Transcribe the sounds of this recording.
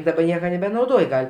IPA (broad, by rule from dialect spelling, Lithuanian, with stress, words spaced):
dɐˈbɐ ˈnʲiɛkɐ nʲɛbʲɛnɐʊˈdoːj ˈɡɐlʲ